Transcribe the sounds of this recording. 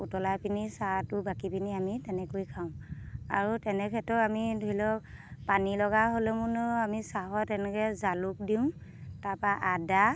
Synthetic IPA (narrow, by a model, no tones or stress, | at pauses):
utɔlapinisatʊbakipiniamitɛnɛkojkʰaʊ̃a̰ɹutɛnɛkʰɛtɔamidʱoilɔ | panilɔɡaɦolɛmunɔamisaɦɔtɛnɛkɛzaluk̚diʊ̃tapaʔada